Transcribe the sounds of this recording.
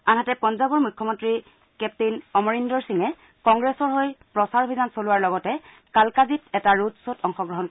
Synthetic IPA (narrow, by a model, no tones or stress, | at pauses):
anɦatɛpɔnzabɔɹmukʰːɔmɔntɹi | kɛp̚tinɔmɔɹindɔɹsiŋɛ | kɔŋɡɹɛsɔɹɦojpɹɔsaɹobʱizansolʊwaɹlɔɡɔtɛ | kalkazitɛtaɹutsotɔŋxɔɡɹɔɦɔnk